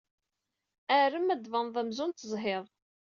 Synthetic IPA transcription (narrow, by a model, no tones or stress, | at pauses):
æɾəmæd̪vənðˤæmzʊnt̪ːəzˤɦeðˤ